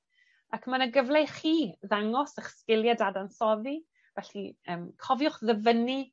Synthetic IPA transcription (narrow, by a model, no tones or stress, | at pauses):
akʰmanəɡəvlˠejχiːðaŋɔsəχskɪlˠjɛdadansɔði | vɛɬiəːmkʰɔvjʊχðəvəni